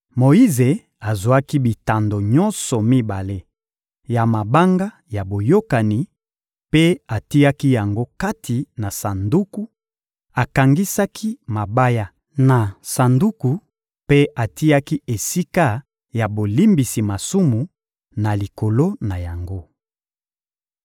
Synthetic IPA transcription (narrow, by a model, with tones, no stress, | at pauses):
mo˨i˦ze˨ | a˨zu˨a˦ki˦bi˨ta˨ndo˨ɲɔ˦nsɔ˨mi˦ba˨le˦ | ja˨ma˨ba˦ŋɡa˦ | ja˨bo˨jo˦ka˨ni˨ | pe˦a˨ti˦a˦ki˦ja˨ŋɡo˦ka˦tʰi˨na˨sa˨ndu˦ku˦ | a˨ka˨ŋɡi˦sa˦kʰi˦ma˨ba˦ja˦ | na˨sa˨ndu˦ku˨ | pe˦a˨ti˦ja˦ki˦e˨si˦ka˦ | ja˨bo˨li˦mbi˨si˨ma˨su˦mu˨ | na˨li˨ko˨lo˦na˨ja˨ŋɡo˦